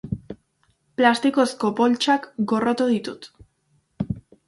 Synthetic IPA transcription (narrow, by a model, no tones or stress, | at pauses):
plast̪iko̞sko̞po̞lt͡ʃakɡo̞rot̪uð̞it̪ut̪